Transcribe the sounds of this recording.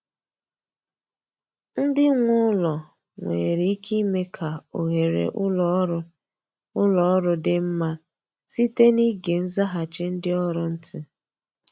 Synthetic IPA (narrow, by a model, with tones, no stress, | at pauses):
n̩˦dɪ˦ŋʷʊ˦lɔ˨ | ŋʷḛ˨ɾi˨i˦kʰi˦me˦kʰa˨o̰˨ɦe˨ɾḛ˨ʔʊ˦lɔ˦ɾʊ˦ | ʊ˦lɔ˨ɔ˦ɾʊ˦dɪ˦m̩˦ma˦ | si˦te˦ni˦ɡe˨n̩˦za˦ɦa˨t͡ʃɪ˦n̩˦dɪ˦ɔ˦ɾʊ˨n̩˦tʰɪ˦